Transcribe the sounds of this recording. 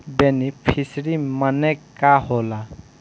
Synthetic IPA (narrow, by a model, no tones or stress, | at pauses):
benipʰisɾimənekaɦola